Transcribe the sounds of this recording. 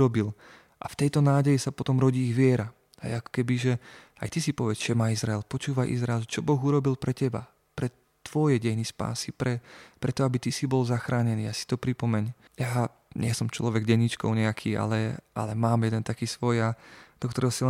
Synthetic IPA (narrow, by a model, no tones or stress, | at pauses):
ɾɔbil | ʔa̰ft̪ɛjt̪ɔnaːɟɛjisapɔt̪ɔmɾɔɟiːɣʋɪɛɾa | a̰jakɔ̥kɛbiʒɛ | a̰jt̪isipɔʋɛt͡sʒɛmaːizɾaɛlpɔt͡ʃuːʋaʔḭzɾaɛlʒɛt͡ʃɔbɔɣuɾɔbilpɾɛcɛba̰ | pɾɛ | t̪ʋɔjɛɟɛjnispa̰ːsipɾɛpɾɛt̪ɔabit̪isibɔlzaxɾaːɲɛniːjasi̥t̪ɔpɾipɔmɛɲ | jaː | ɲɪɛsɔmt͡ʃlɔʋɛɡɟɛɲit͡ʃkɔ̰ʊɲɛakʰiːa̰lɛʔa̰lɛmaːmjɛd̪ɛnt̪akiːsʋɔjad̪̥ɔk̚t̪ɔɾɛɦɔsilɛ